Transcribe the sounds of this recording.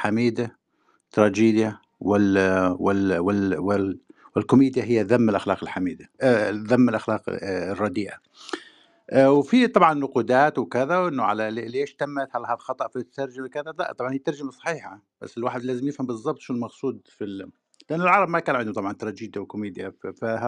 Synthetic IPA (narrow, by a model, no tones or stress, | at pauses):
ħamiːd̪a | t̪ːɾˤɑːd͡ʒiːd̪ja | wɪwɪwɪwɪ | wɪlkʊmiːd̪jaɦɪjːaðamːɪlʔaxlɑ̰ːqɪlħamiːd̪aðamːɪlʔaxlɑːqrˤːɑd̪iːʔa | ʔwfit̪ˤɑbʕɑnːʊquːd̪aːt̪wkɪðawʔɪnːʊʕa̰lalleːʃt̪amːat̪halhalxɑt̪ˤɑʔfit̪t̪ːɑɾˤd͡ʒamakaðala̰ʔt̪ˤɑbʕɑnhijt̪ːɑɾˤd͡ʒamasˤɑ̥ħiːħab̥a̰sːɪlwaːħɪd̪laːzɪmjɪfhambɨzˤːɑbt̪ˤʃʊnɪlmɑqsˤuːd̪fil | lɪʔanːɪlʕɑɾˤɑbmakaːnʕɪnd̪ʊt̪ˤɑbʕɑnt̪ɾˤɑd͡ʒiːd̪jawɪkʊmiːd̪jaa